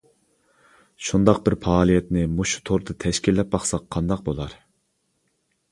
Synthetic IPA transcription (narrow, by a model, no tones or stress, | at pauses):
ʃund̪ɑq̚bɪɾpʰɑːlˠijɛt̪nɪmuʃu̥t̪ʰoɾd̪ɨt̪ʰɛʃkʲilːɛp̚bɑχsɑqʰːɑnd̪ɑq̚bolˠɑɾ